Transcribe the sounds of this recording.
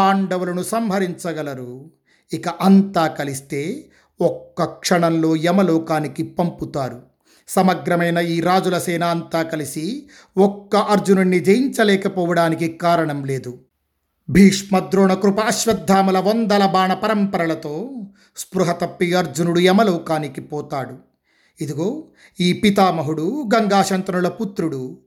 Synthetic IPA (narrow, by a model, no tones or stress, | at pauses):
aːɳɖɐʋulɐnusɐmbʱɐɾiɲt͡ʃɐɡɐlɐɾu | ikɐʔɐnt̪aːkɐlist̪e̞ː | ɔkːɐkʂɐɳɐmlo̞ːɛmɐlɔːkaːnikipɐmput̪aːɾu | sɐmɐɡɾɐmɐjnɐiːɾaːd͡ʒulɐsɛːnaːnt̪aːkɐlisi | ɔkːɐʔɐɾd͡ʒununːid͡ʒejiɲt͡ʃɐlɛːkɐpɔːʋɐɽaːnikikaːɾɐɳɐmle̞ːd̪u | bʱiːʂmɐd̪ɾɔːɳɐkɾupɐːʃʋɐd̪ʱːaːmɐlɐʋond̪ɐlɐbaːɳɐpɐɾɐmpɐɾɐlɐt̪oː | spɾuɦɐt̪ɐpːijɐɾd͡ʒunuɽuɛmɐlɔːkaːnikipɔːt̪aːɽu | id̪iɡo̞ː | iːpit̪aːmɐɦuɽuɡɐŋɡaːʃɐnt̪ɾɐnulɐput̪ɾuɽu